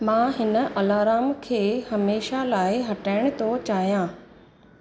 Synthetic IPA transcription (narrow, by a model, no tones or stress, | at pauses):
mãːɦɪnə̆ʔɐlaːɾaːmkʰeːhɐmeːʃalaːɪɦɐʈaːɪɽ̃t̪ʰot͡ɕaːɦijãː